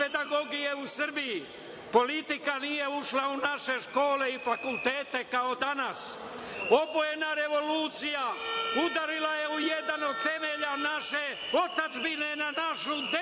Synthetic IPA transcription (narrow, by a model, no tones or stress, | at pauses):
ped̪aɡo̞ɡijeusr̩biji | po̞lit̪ikanije̞uʃlaunaʃe̞ʃko̞ːle̞ifakulˠt̪eːt̪e̞kao̞d̪anas | o̞boje̞naɾe̞ʋo̞luːt̪sijaud̪aɾilaje̞ujed̪ano̞d̪̚t̪e̞meʎanaʃe̞ | ot̪ad͡ʒbine̞nanaʃud̪e